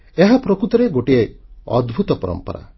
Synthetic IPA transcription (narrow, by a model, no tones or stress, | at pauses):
eɦapɾɔkɾut̪ɔɾeɡoʈieɔ̰d̪bʱut̪ɔpɔɾɔ̰mpɔ̰ɾa̰